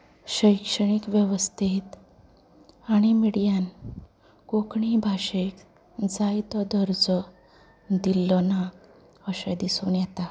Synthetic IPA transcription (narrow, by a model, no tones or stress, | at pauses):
ɕəjkʂəɳ̃ikʋjeʋəst̪ʰit̪ | aɽ̃imiɽijan | kokɳibʱaɕek | d͡zajt̪ɔd̪əɾd͡zɔ | d̪ilːɔna | əsɛ̃d̪isuːnjɛt̪a